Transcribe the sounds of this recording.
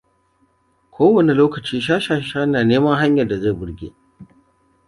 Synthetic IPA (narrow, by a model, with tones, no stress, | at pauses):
kʷʰoː˦wɐ˨ne˨loː˦kɐ˨t͡ʃiː˦ʃaː˦ʃaː˦˨ʃaː˦naː˨neː˦mɐ˦ɦa˦ɲjɐ˨da˨ze˦˨bʊ˨ɽɡʲḛː˦